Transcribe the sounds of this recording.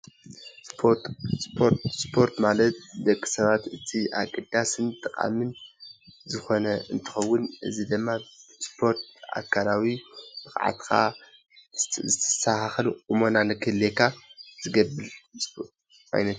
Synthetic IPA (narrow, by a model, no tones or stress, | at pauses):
spʰotspʰot̪spʰo̞ɾt̪malɐt̪̚d̪ɐkʼːi̥sɐβat̪ɨt̪ʰiʔa̰kʼɨd̪asɨnt̪ʼɨqʼa̰mɨn | zɨxo̞nɐɨnt̪ʰɨ̥xɐwːʊnʔɨ̰zid̪ɨmːaspʰo̞ɾt̪̚a̰kʰːalawib̥ɨxʼʕa̰t̪kʰa̰ | zɨt̪ʰɐ̥sahaxɐluʔʼumo̞nanɨkʰɨlekʰaz̥ɨɡɐβɨls | ʔa̰jnɐt̪